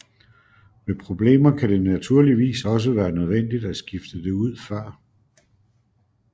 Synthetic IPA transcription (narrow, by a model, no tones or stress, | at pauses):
me̝pʰʁo̝b̥le̝̰ːmɐkʰæd̥e̝næt͡sʰuɐ̰liʋḭːsɒ̽s̬əʋæːɐnøð̞ˠʋen̰d̥id̥æsɡ̥ifd̥əd̥e̝uð̞̰ˠfɶɐ̰